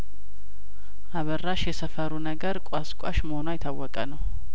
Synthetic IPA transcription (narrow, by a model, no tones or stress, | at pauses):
ʔaβərːaʃjɛsəfəɾunəɡəɾkʷʼaskʷʼa̰ʃməhonuajɪt̪ʰːawːɔkʼənəw